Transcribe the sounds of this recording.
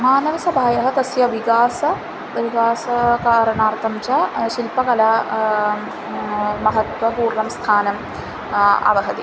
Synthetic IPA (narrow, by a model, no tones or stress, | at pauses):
maːnɐʋɐsɐbʱaːjɐɦɐd̪ɐsjɐʋiɡaːsɐ | ʋiɡaːsɐkaːɾɐɳaːrt̪ʰɐmt͡ɕɐʃilpɐkɐlaː | mɐɦɐt̪ʋɐpuːrɳɐmst̪ʰaːnɐm | ɐ̰ʋɐɦɐd̪i